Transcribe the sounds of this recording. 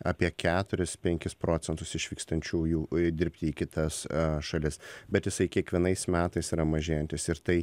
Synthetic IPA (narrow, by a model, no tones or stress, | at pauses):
ɑːpʲiɛkʲʰæːt̪ʊɾʲɪspʲɛŋʲkʲɪspɾoːt͡s̪ʲɛnt̪ʊsɪʃʋʲiːkst̪ɐnʲt͡ʃʲuːjuːd̪ʲɪɾʲpʲt̪ʲɪiːkʲɪt̪ɐsʃɐlʲɪsbʲɛt̪jɪsɐɪkʲiɛkʋʲiɛnɐɪsmʲæːt̪ɐɪsiːɾɐmɐʒʲeːjɛnʲt̪ʲɪsɪɾt̪ɐɪ